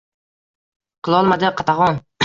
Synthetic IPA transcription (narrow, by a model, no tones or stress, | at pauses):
qʰɨlˠɒlˠmad̪ɪqʰɑt̪ʰaʁɒn